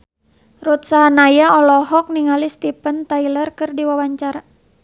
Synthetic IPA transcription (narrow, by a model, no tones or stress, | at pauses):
rut̪̚saɦanajaɔlɔɦɔk̚niŋalist̪ipənt̪ailərkɨrdiwawaɲt͡ʃaɾa